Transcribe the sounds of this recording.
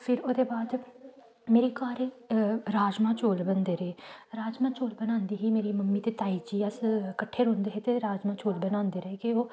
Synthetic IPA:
pʰɪɾoːd̪eːbaːd̪ | meːɾiːkaːɾe | ɾaːd͡ʒmãːt͡ʃoːlbənd̪eːɾeːɾaːd͡ʒmãːt͡ʃoːlbənãːnd̪iːɦiːmeːɾiːməmːiːt̪eːt̪aːiːd͡ʒiːəskəʈʰːeːɾʊ̃nd̪eːɦeːt̪eːɾaːd͡ʒmãːt͡ʃoːlbənãːnd̪eːɾeːkeoː

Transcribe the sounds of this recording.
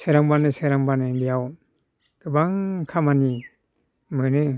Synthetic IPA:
sejɾaŋbanɯseɾaŋbanɯdijaw | kɯbaŋkʰamani | mɯnɯ

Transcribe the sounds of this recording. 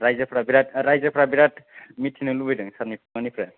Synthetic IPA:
ɾajzapʰɾabiɾatɾajzapʰɾabiɾatmitʰːinulubɯjdɯŋsaɾnipʰɡanipʰɾa

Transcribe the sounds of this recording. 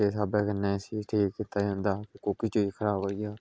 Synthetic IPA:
eːsaːbɛːkənːẽːsiːʈʰiːkːit̪aːiɦʊ̃nd̪aːkɪkokit͡ʃoːiːkʰəɾaːboːiːaː

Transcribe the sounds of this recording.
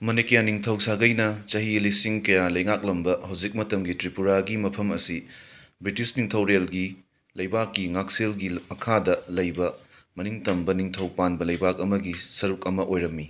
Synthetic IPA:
mɐnekɐjaniŋtʰɐwsaɡɐjnɐt͡ʃɐɦilisiŋkɐjalɐjŋak̚lɐmbɐhɐwd͡ʒik̚mɐtɐmɡitɾipuɾaɡimɐpʰɐmɐsibɾitisniŋtʰɐwɾelɡi | lɐjbakːiŋak̚selɡimɐkʰadɐlɐjbɐ | mɐniŋtɐmbɐniŋtʰɐwpanbɐlɐjbak̚ɐmɐɡisɐɾukɐmɐʔojɾɐmːi

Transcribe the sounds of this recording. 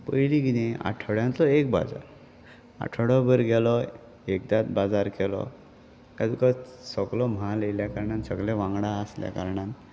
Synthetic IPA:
pəjliɡinea̰ʈʰəɽjãnt̪ɔek̚ba̰d͡za̰ɾ | a̰ʈʰəɽɔbəɾɡɛlɔ | ekd̪at̪bad͡zaɾkɛlɔ̰ | kad̪ikasɔklɔm̤alejljakaɾɳansəɡlẽʋãŋɡɽaəslja̰ka̰ɾɳan

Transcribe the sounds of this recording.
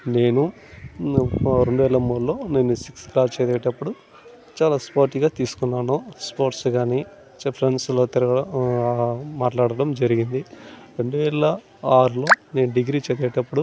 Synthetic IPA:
ne̞ːnu | ɾe̞ɳɖuʋɛːlɐmuːlːo̞ːne̞ːnːusiksklaːst͡ʃɛːd̪ɛːʈɐpːuɽu | t͡ʃaːlaːspoːɾʈiɡaːt̪iːsu̥kunːaːnuspoːɾʈsɡaːniː | pʰɾeɳɖslo̞ːt̪iɾɐɡɐɐ | maːʈlaːɽɐɽɐmd͡ʒɐɾiɡind̪iɾe̞ɳɖuʋɛːlɐ | aːɾulo̞ːne̞ːnuɖiɡɾiːt͡ʃɛːd̪ɛːʈɐpːuɽu

